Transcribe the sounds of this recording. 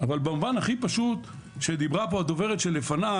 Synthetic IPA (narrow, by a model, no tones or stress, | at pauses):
avalbamuvanhaχipaʃut̪ | ʃed̪ibʁapoad̪o̞ve̞ʁetʃelːefana